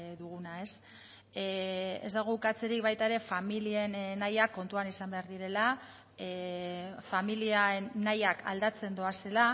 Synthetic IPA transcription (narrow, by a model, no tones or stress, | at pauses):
ðuɣ̞unae̞s | ḛzd̪aɣ̞okat͡se̞ɾik̚βajt̪aeɾe̞familie̞nnajakːo̞nt̪uanisambe̞aɾðiɾe̞la | familianajakʰa̰ld̪at͡se̞nd̪oase̞la